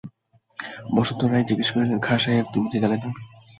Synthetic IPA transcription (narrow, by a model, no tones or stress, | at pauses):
bɔʃot̪ːoɾajd͡ʑiɡeʃkoɾileɾkʰaʃajeɾt̪umit̪ʰed͡ʑalena